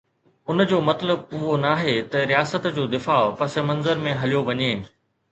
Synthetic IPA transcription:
ʊnd͡ʑoːmɐt̪ləbʊɦonaːɦet̪ɐɾijaːsət̪d͡ʑoːd̪ɪfaːpɐsemɐ̃nzəɾmẽɦɐlijoʋɐɲeː

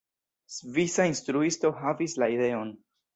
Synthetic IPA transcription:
svisainst̪ɾuisto̞ɦavislaide̞o̞n

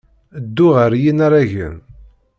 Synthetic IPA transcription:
d̪ːʊʁəɾjinaɾˤaʝə̰n

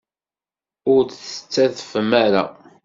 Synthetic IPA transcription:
ʊɾθə̥t͡sːæðfəmæɾa̰

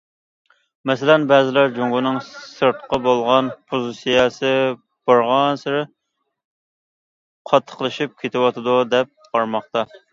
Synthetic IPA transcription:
mɛsɪlɛnbɛːzɪlæɾd͡ʒoŋɡʊnɨŋsɨɾt̪qɑbolˠʁɑnpʰuzɨsijɑsɨ | b̥ɑɾʁɑnsɨɾɪ | qʰɑt̪ʰːə̥qlˠɨʃip̚kʲʰet̪ʰɪwɑt̪ʰɨd̪ud̪ɛp̚ | ɑɾmɑχt̪ɑ

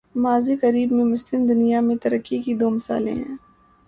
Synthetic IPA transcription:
maːzikɐɾiːbmẽmʊst̪ɪmd̪ʊnijamẽt̪ɐɾəkːikid̪oːmɐsa̰ːlḛ̃ɦɛ̰̃ː

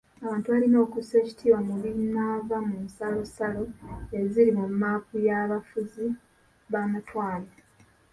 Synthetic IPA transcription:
aβaːntuβalino̞ːkuse̞ːci̥tʰiːwamuβinaːvamunsalo̞salo̞e̞ziɾimumːaːkujaβafuzi | βamatwaːle

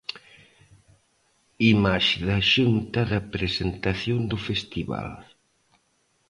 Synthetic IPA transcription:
imaʃɪðɐʃunt̪ɐðɐpɾesent̪aθjond̪ʊfest̪iβa̰l

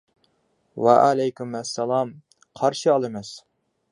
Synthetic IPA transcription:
wɛ̰ʔalɛjkʲymɛsːɛlˠɑm | qʰɑɾʃiɑlˠɨmɛs

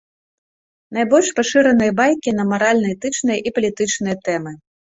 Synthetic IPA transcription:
najbɔlʲʂpaʂɨɾɐnɨjɐbajkʲinɐmaɾalʲnɐjt̪ɨt͡ʂnɨjɐʔipɐlʲit̪ɨt͡ʂnɨjɐt̪ɛmɨ

